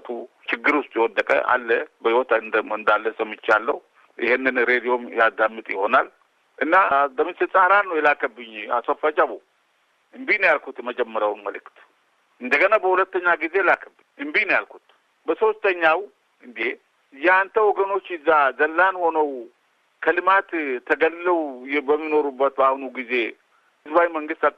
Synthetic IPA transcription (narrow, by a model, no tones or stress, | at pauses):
t̪ʰu | ʃɪɡːɨɾust̪ʼjɛwɔd̪ːəkʼə̰ʔa̰lːəbəhiwɔt̪ʰnd̪ɨnd̪alːəsəmːɨt͡ʃːalːəhu | ʔɪ̰hɪnːɨnɾed̪ijo̞mjad̪amːɨt̪ʼjɪho̞nal | ʔɨnːaləmɨsɨt͡sʼaɾanːəwjɛlakʰəbɨɲːasəfat͡ʃʼaβo | ɨmbinjalkʰut̪ɛməd͡ʒɛmːəɾjawnməlɨkt̪ | ʔɨnd̪əɡənabəhulət̪ːəɲːaɡize̞jlakʰəbːɨɲɨmbinjalkʰut̪ | bəso̞st̪ʰəɲːaw | ɨnd̪e | jɛant̪ʰəwɔɡəno̞t͡ʃːɪzːazəlːanho̞nəw | kʰəlɨmat̪t̪ʰəɡəlːəwjbəmːino̞ɾubːət̪bahunuɡize̞ | ɨzbawiməŋɡɨst̪a